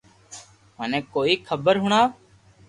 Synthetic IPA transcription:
mənɛ̃ːkoːiːkʰəbəɾɦʊɳ̃aː

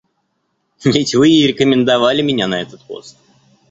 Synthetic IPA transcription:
vʲɪtʲvɨɪɾʲɪkəmʲɪnd̪ɐvalʲɪmʲɪnʲanɐɛt̪ət̪po̰st̪

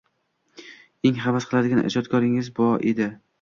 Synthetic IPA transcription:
eŋχabasqʰɨlˠad̪ɪɡʲanʔɪ̰d͡ʒɒt̪̚kʰɒɾɪŋɪzbɒʔed̪ɪ

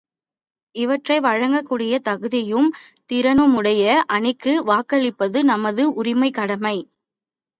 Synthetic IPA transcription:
ɪʋɐʈrɐɪʋɐɻɐŋɡɐkːuːɽɪjɐt̪ɐɣɯðɪjɯmt̪ɪɾɐnɯmʊɽɐjɐʔɐnɪkːɯʋaːkɐɭɪpːɐðɯnɐmɐðɯʔʊɾɪmɐɪkːɐɽɐmɐɪ

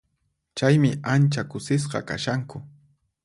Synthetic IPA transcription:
t͡ʃajmɪʔant͡ʃakʊsɪs̬qɑ̰ka̰ʃaŋkʊ

